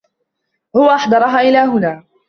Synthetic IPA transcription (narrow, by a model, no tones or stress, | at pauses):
hʊwaʔaħd̪ɑɾˤɑɦaːʔɪlaːɦʊnaː